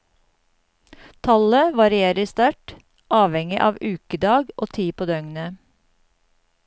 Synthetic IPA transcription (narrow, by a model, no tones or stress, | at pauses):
t̪ʰɑləʋɑɾɪeːɾəst̪ɑʈ | ʔɑːʋɛŋɪʔɑ̰ːʋʉːkəd̪ɑːɡʔo̰ːt̪ʰiːpʰoːd̪œŋnə